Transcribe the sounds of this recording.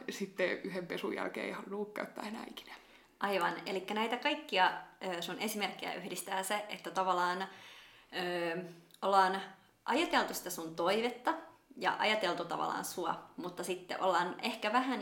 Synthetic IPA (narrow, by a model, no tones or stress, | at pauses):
sit̪ːeyhempesujæ̰lkḛːhɑlnuːkkæyt̪ːæenæ̰ːiki̥næ̥ | ʔɑiʋɑnelikːænæit̪ækɑikːiɑøːsunʔesimerkːejæ̰ʔyhdist̪æːseet̪ːæt̪ɑʋɑlːˑɑːn | øːʔolːɑːn | ʔɑjɑt̪elt̪usi̥t̪æsunt̪oiʋet̪ːɑjɑ̰ʔɑ̰jɑt̪elt̪ut̪ɑ̰ʋɑ̰lːˑɑ̰ːnsuɑ̰mut̪ːɑsit̪ːḛʔo̰lːɑːnʔehkæʋæɦæn